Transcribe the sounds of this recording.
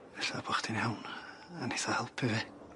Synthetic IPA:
vɛɬabʰɔχd̥injawn | aneθahɛlˠpʰɪvi

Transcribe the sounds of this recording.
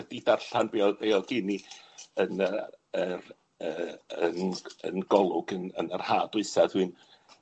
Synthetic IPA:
ədidarɬanbiːɔbejɔɡ̥ɪniənə | ər | əːənə̰nɡɔlˠʊɡənə̰nər̥haːdʊɨsað̥hɨːn

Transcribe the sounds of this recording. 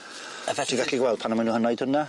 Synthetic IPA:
əvɛθɪɡaɬiɡwɛlˠd̥̚pʰanamanuːhənɔjd̥hʊna

